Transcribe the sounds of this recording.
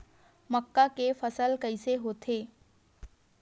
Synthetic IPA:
məkːakefəsəlkəɪseɦoːt̪ʰeː

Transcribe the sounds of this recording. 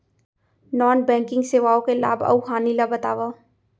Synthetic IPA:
nɔːnbɛ̃ːŋkɪ̃ŋɡseːʋaːõkela̰ːbɐ̰uɦaːnilabɐt̪aːʋaː

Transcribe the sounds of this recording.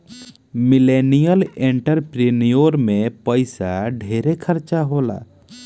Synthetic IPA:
milenijəlẽɳʈəɾpɾinijoɾmẽpəɪsaɖʱeːɾekʰəɾt͡ʃaɦoːla̰

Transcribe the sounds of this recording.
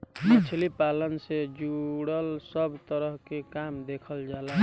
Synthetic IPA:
it͡ʃʰlipalənsed͡ʒuɽəlsəbʱt̪əɾəɦkekamd̪ekʰəld͡ʒala

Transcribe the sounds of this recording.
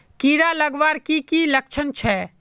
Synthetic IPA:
kiːɾaləɡʋaːɾkikilək̚t͡ʃʰənt͡ʃʰɛː

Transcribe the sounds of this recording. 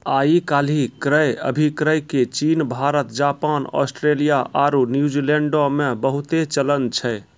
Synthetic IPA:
aikalikɾəjə̰bʱikɾəjket͡ʃinbʱaɾət̪d͡ʒapanɔ̰sʈɾelijaʔaɾunjud͡ʒileɳɖomebəɦut̪et͡ʃələnt͡ʃʰɛ

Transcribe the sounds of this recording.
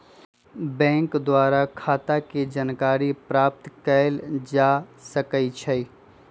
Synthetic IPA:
bɛ̃ːŋkd̪waːɾakʰaːt̪aked͡ʒaːnkaːɾipɾaːp̚t̪kəld͡ʒaːsəkəit͡ʃʰəi

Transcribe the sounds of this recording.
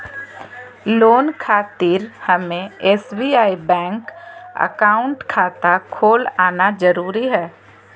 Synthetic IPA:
loːnkʰaːt̪iɾhəmẽeːsbiːaːibɛ̃ːŋkə̰kaːʊ̃ɳʈkʰaːt̪akʰoːlaːnad͡ʒəɾuːɾiɦɛː

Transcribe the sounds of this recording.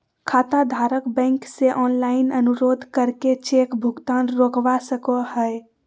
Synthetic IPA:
kʰaːt̪ad̪ʱaːɾəkbɛ̃ːŋkseʔɔːnlaːɪnənʊɾoːd̪ʱkəɾket͡ʃeːkbʱʊɡt̪aːnɾoːkʋasəkohɛe

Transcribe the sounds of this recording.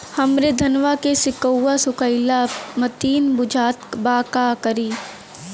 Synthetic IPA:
hɐmɾed̪ʱɐnʋakesɪkəwːasʊkəɪlamɐt̪iːnbʊd͡ʒʱaːt̪baːkakəɾiː

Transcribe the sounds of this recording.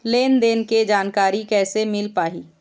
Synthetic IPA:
leːnd̪eːnked͡ʒaːnkaːɾikɛːsemɪlpaːɦiː

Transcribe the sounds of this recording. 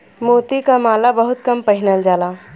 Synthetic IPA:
moːt̪ikamaːlabɐɦʊt̪kɐmpɐɦɪnəld͡ʒaːlaː

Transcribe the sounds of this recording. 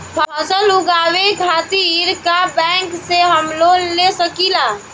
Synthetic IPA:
pʰpʰəsəlʊɡaːwekʰaːt̪iɾkabɛ̃ːŋkseɦəmlolesəkilaː

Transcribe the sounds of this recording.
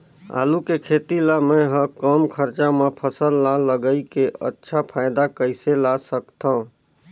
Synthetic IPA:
a̰ːlukekʰeːt̪ilamɛ̃ɦəkɔmkʰəɾt͡ʃamãpʰəsəlːaləɡəikeʔə̰tːʃʰapʰaːɪd̪akəɪselasəkt̪aũ

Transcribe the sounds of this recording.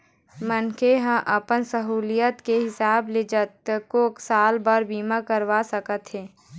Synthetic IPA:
mənkeɦãʔəpənsəɦuːlijət̪keɦɪsaːbled͡ʒət̪̚koːksaːlbaɾbiːmakəɾʋasəkət̪ɦɛː

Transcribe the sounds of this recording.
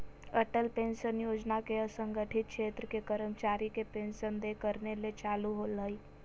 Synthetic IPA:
əʈəlpẽːnʃənjoːd͡ʒnakeəsə̃ŋɡəʈʰɪt̪̚kʃeːt̪ɾəkekəɾəmt͡ʃaːɾikepẽːnʃənd̪ekəɾnelet͡ʃaːluɦoləi

